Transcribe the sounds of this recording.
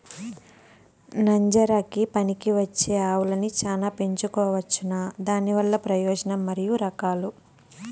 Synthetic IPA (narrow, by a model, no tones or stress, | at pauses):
nɐɲd͡ʒɐɾaːkipɐnikiʋɐt͡ʃːeːaːʋulɐnit͡ʃaːlaːpe̞ɲt͡ʃukɔːʋɐt͡ʃːunaːd̪aːnːiʋɐlːɐpɾɐjɔːd͡ʒɐnɐmːɐɾijuɾɐkaːlu